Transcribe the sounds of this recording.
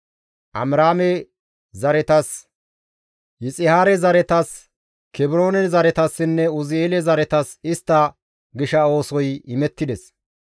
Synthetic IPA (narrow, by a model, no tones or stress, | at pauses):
ʔɐ̰mɾaːmɛ | zɐɾɛt̪ɐs | jɪt͡sʼɪhaːɾɛzɐɾɛt̪ɐs | kɛbɪɾo̞ːnɛzɐɾɛt̪ɐsːɪnːɛʊzeːlɛzɐɾɛt̪ɐsɪst̪ːɐ | ɡɪʃɐo̞ːsɔjɪmɛt̪ːɪd̪ɛs